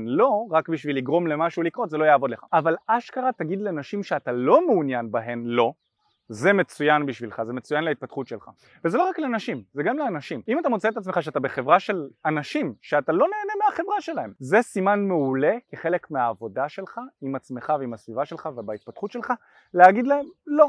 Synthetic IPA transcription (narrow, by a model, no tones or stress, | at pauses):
nlo̞ʁakbiʃviliɡʁo̞mle̞maʃulikʁo̞t̪zelojaːvo̞dle̞χa̰avalaʃkaʁat̪aɡid̪lenaʃimʃeatalo̞meunjanbaɦe̞mlo̞ | ze̞me̞t͡sujanbiʃvilχaze̞me̞t͡sujanleit̪̚pat̪χut̪ʃe̞lχa̰ | veze̞lo̞ʁaklenaʃimzeɡamleanaʃimimat̪amot͡seet̪at͡sme̞χaʃ̬eat̪abe̞χe̞vʁaʃe̞lanaʃimʃeat̪alo̞ne̞ːne̞meaχe̞vʁaʃe̞lae̞mze̞simanmeule̞keχe̞le̞kmeaːvo̞daʃe̞lχaimat͡sme̞χaveimasvivaʃe̞lχavebait̪̚pat̪χut̪ʃe̞lχa | leaɡid̪lae̞mlo̞